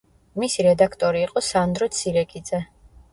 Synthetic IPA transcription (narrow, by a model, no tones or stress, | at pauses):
misiɾɛd̪akʰt̪ʼɔɾiːqʼɔsand̪ɾɔt̪sʰiɾɛkʼid̪zɛ